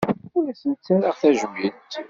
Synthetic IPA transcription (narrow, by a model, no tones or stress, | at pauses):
ʊlæsənt͡sːəəʁθæʒwint̪